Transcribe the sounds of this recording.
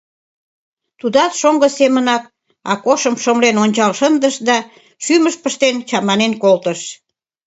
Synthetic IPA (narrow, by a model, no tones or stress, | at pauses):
t̪ud̪ɑt̪ʃoŋɡəsemənɑk | ɑ̰koʃəmʃomlenonʲt͡ɕɑlʃənd̪əʃd̪ɑ | ʃyməʃpəʃt̪ent͡ɕɑmɑnenkolt̪əʃ